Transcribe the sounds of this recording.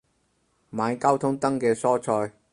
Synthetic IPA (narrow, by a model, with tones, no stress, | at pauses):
maː˨˧jkaː˥wt̪ʰʊ˥ŋt̪ɐ˥ŋkɛː˧sɔː˥t͡ʃʰɔː˧j